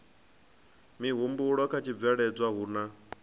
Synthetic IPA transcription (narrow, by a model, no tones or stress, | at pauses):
miɦumbuɺɔkʰat͡ʃʰib̪vɛɺɛd͡zʷwaɦuːna